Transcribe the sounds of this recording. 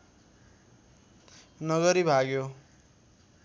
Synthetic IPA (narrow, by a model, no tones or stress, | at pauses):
nʌɡʌɾibʱaɡjo